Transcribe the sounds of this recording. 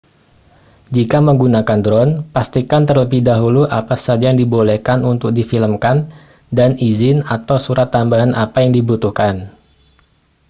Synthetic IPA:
d͡ʒikaməŋɡunakandɾɔnpast̪ikant̪ərləbihdaɦuluʔapasad͡ʒajaŋdibolehkanunt̪ʊk̚difiləmkan | danizɪnat̪awsuɾat̪ːambaɦanʔapajaŋdibut̪uhkan

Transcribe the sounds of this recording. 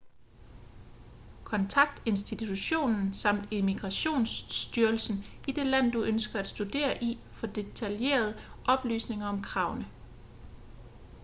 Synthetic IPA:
kʰɒ̽nt͡sʰɑ̈ɡ̥̚d̥e̝nsd̥it͡sʰuɕo̝̰ːnn̩sɑ̈m̰d̥e̝miɡ̥ʁɑ̈ɕo̝̰ːnsd̥yɐlsn̩id̥e̝læn̰d̥uʔønsɡ̥ɐæd̥sd̥ud̥e̝̰ːɐʔi | fɒ̽d̥e̝t͡sʰælje̝̰ːɐð̞ˠəʔɒ̽b̥ly̰ːsne̝ŋɐɒ̽mkʰʁɑ̈ʊnə

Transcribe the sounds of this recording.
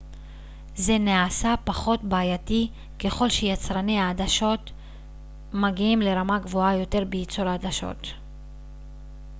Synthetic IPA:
ze̞neasapaχo̞tbaːjati | ke̞χo̞lʃejat͡sʁaneaːdaʃo̞t | maɡiimle̞ʁamaɡvoajo̞te̞ʁbeit͡soɾaːd̪aʃo̞̰t

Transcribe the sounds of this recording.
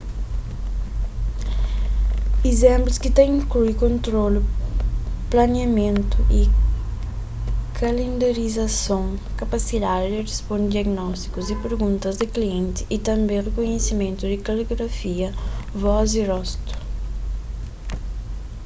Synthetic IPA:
ezẽmplʊskɪt̪ẽj̃ĩŋkluikõnt̪ɾolʊ | planjamẽnt̪ʊʔɪ | kʰalẽnd̪aɾizasõŋkapasid̪ad̪ɪd̪ɪrespõnd̪iaɡnɔst̪i̥kʊzɪpeɾɡũnt̪ɐzd̪ɪkliẽnt̪ɪ̥ʔːt̪ɐ̃mbẽj̃rekoɲesimẽnt̪ʊd̪ɪkaleɡɾafiɐvɔzirɔst̪ʊ̥

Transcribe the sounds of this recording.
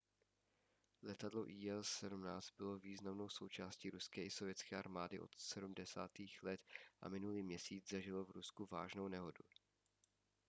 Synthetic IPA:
lɛt̪adloʔiːɛlɛdumnaːt͡st̪̚bɪlo̞viːznamno̞wso̞wt͡ʃaːsciːɾuskɛːʔɪso̞vjɛt͡skɛːʔa̰ɾmaːdɪʔo̞̰t̪sɛdumdɛsa̰ːt̪iːxlɛt̪ʔa̰mɪnuliːmɲɛsiːt͡szaʒɪlo̞vɾuskuva̰ːʒno̞wnɛɦo̞du

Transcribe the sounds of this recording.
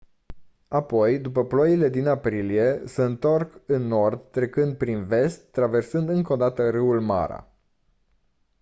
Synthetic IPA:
apo̞jd̪upəplojile̞d̪inapɾilije̞seɨnt̪o̞rkɨnːo̞rd̪t̪ːɾe̞kɨnd̪̚pɾinve̞st̪ːɾave̞rsɨnd̪ɨŋko̞d̪at̪əɾɨulma̰ɾa̰

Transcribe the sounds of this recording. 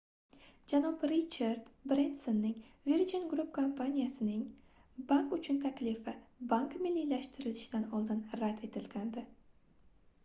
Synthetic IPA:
d͡ʒanɒbɾit͡ʃʰaɾd̪bɾend̪sonːɪŋviɾd͡ʒinɡɾupkʰompʰanʲijasɪnɪŋ | baŋkʊt͡ʃʰʊnt̪ʰakʲlɪfɪbaŋkmɪlːilaʃt̪ɪɾɪlɪʃɪd̪̥anɒlˠd̪ɪnɾad̪e̞t̪ʰɪlɡʲand̪ɪ

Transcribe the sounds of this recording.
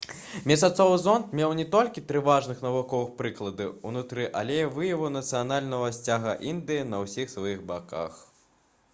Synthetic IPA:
mʲɛs̬ʲat̪sɔwɨzɔnt̪mʲɛwnʲɛt̪ɔlʲkʲit̪ɾɨvaʐnɨxnɐvukɔvɨxpɾɨklˠɐd̪ɨunut̪ɾɨʔɐ̰lʲɛjɐvɨjɐvunɐt̪sɨjanalʲnɐɣɐsʲt͡sʲaɣɐʔind̪ɨjinɐwsʲixsvajixbaka̰x

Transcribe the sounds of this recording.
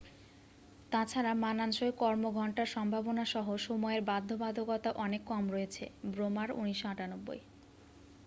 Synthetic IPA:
t̪at͡ɕʰaɾamananʃoekɔɾmoɡʱɔɳʈaɾʃɔmbʱabonaʃɔɦoʃomɔeɾbad̪ʱːobad̪ʱokɔt̪aʔɔnekːɔmɾɔet͡ɕʰḛbɾomaɾṵniʃoaʈanobːo̰j

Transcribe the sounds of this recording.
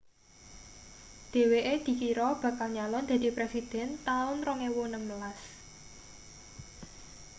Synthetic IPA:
d̪̥e̤weʔed̪̥i̤kiɾɔb̥ä̤kalɲalɔnd̪̥ä̤d̪̥i̤pɾesid̪̥ɛ̤nt̪aʊnɾɔŋewonəməlas

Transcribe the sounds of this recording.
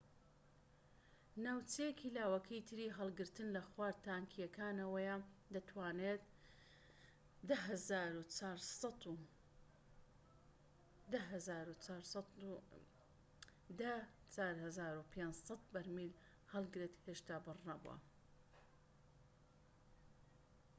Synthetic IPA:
nawt͡ʃejekʰilaːwɐkʰɐjit̪ʰɨɾiːɦɐlˠɡɨɾt̪ɨnlɐxwaːɾt̪aːŋkʰijɐkaːnɐwɐjad̪ɐt̪ʰwaːnet̪̚ | d̪aɦzaɾuɾu | d̪ɐɦzaːɾut͡saːɾs | d̪ɐ | t͡saːɾhɐzaːɾupʰensˤɑt̪̚bɐɾmil | hɐlˠɡɾet̪heːʃt̪aːbɨrnɐbṵɐ̰

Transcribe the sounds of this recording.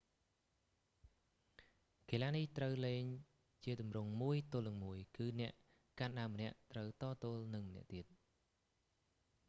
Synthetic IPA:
keːlaːniht̪rəwleːŋ | t͡ɕiət̪umrʊŋmuəjt̪oːlnɨŋmuəjkɨːnɛ̆əʔ | kaːnɗaəmːənɛ̆əʔt̪rəwt̪ɑːt̪oːlnɨŋmənɛ̆əʔt̪iət̪̚

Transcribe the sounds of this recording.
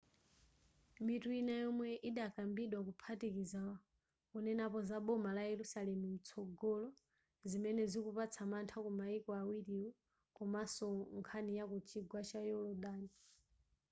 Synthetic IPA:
mituinajɔmwɛʔiɗakambiɗwak̬upʰatikiza | kɔnɛnapɔzaɓɔmalajɛɾusalɛmumut͡sʰɔɡɔlɔ | zimɛnɛzikupat͡sʰamantʰakɔmaikɔawiɾiwɔ | kɔmasɔŋkʰanijakut͡ʃʰiɡwat͡ʃajɔlɔdaːni

